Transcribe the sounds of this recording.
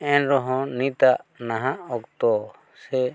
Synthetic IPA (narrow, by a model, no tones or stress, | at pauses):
ɛnɾɔɦɔ̃nit̪aʔnaɦãʔɔkt̪ɔ | sɛ